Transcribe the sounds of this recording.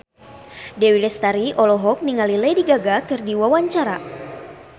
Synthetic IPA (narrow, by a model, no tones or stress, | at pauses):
dɛwilɛst̪aɾiʔɔlɔɦɔk̚niŋalilɛdiɡaɡakɨrdiwawaɲt͡ʃaɾa